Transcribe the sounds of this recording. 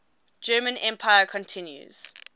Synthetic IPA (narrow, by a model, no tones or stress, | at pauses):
d͡ʒɜːmə̃nɛ̃mpʰajəkʰɔ̃ntʰɪ̃njṵz̥